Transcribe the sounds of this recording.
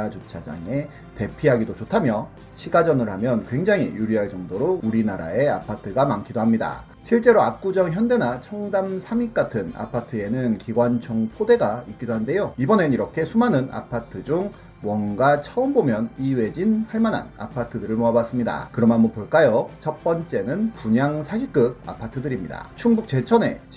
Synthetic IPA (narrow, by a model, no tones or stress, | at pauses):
ad͡ʑut͡ɕʰad͡ʑa̰ŋe̞ | te̞pʰiɦaɡidot͡ɕotʰamjʌ | ɕʰiɡad͡ʑʌnɯɭhamjʌnkwe̞ŋd͡ʑaŋḭjuɾiɦaɭt͡ɕʌŋdoɾouɾinaɾa̰e̞a̰pʰatʰɯɡamaŋkʰidoɦamɲida̰ | ɕʰiɭt͡ɕ͈e̞ɾoap̚k͈ud͡ʑʌŋçjʌnde̞nat͡ɕʰʌŋdamsʰamik̚k͈atʰɯna̰pʰatʰɯe̞nɯnkiɡwant͡ɕʰoŋpʰode̞ɡaik͈̚idoɦande̞joibʌneniɾʌkʰe̞sʰumanɯnʔa̰pʰatʰɯd͡ʑuŋ | wʌnɡat͡ɕʰʌɯmbomjʌniwe̞d͡ʑinhaɭmana̰na̰pʰatʰɯdɯɾɯɭmoabas͈ɯmɲida̰kɯɾʌmamupoɭk͈ajot͡ɕʰʌk̚p͈ʌnt͡ɕ͈e̞nɯnpuɲaŋsʰaɡik͈ɯa̰pʰatʰɯdɯɾimɲida̰t͡ɕʰuŋbuk̚t͡ɕe̞t͡ɕʰʌne̞̰